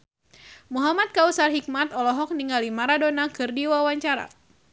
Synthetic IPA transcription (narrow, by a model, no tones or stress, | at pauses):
muɦamat̪̚kausarɦik̚mat̪ɔlɔɦɔk̚niŋɡalimaɾadonakɨrdiwawaɲt͡ʃaɾa̰